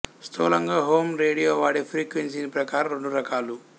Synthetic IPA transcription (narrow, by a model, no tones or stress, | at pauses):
st̪ʰo̰ːlɐŋɡaːɦoːmɾeːɽijoːʋaːɽipʰɾiːkʋens̬inipɾɐkaːɾɐɾeɳɖuɾɐkaːlu